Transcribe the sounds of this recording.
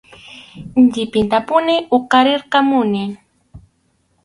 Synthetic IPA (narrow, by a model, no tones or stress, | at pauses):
nʎɪpɪnt̪apʊnɪʔoqɑɾeɾqɑmʊnɪ